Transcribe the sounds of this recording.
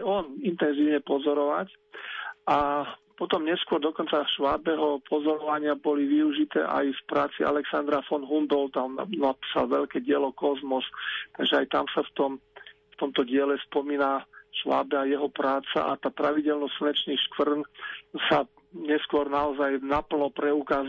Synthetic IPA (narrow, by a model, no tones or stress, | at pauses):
ajɔnint̪ɛnziːʊɲɛpɔzɔɾɔʋac | ʔapɔt̪ɔmɲɛskʊɔɾd̪ɔkɔnt͡saʃʋaːbɛɦɔpʰɔzɔɾɔʋaɲɪabɔliʋiuʒit̪ɛ̰ːʔa̰jfpɾaːt͡siʔa̰lɛksand̪ɾafɔnɦumb̪ɔlt̪amnanapi̥ːsa̰lʋɛʎkɛɟɪɛlɔkɔzmɔst̪aɡʒɛajt̪a̰msaft̪ɔm | ft̪ɔmt̪ɔɟɪɛlɛspɔmiːnaʃʋa̰ːbɛajɛɦɔpɾaːt͡sa̰ʔat̪aːpɾaʋiɟɛlnɔss̩nɛt͡ʃniːʃkʋr̩nsa | ɲɛskʊɔɾnaɔzajnapl̩nɔpɾɛukaːz